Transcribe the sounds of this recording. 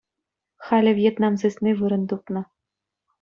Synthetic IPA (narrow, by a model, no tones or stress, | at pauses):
χɑlʲɘ̆vʲjet̪nɑmzesʲnʲiʋɯɾɤ̆nt̪upnɤ̆